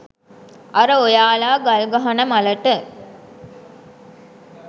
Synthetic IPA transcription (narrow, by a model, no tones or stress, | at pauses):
ʔɐɾəojaːlaːɡɐlɡɐɦɐnəmɐləʈə